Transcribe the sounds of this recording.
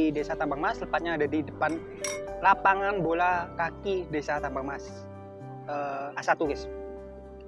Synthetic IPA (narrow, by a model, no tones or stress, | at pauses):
idesat̪ambaŋmasləpat̪̚ɲaːdadidəpan | lapaŋanbolakakidesat̪ambaŋmas | əasat̪uɡɪs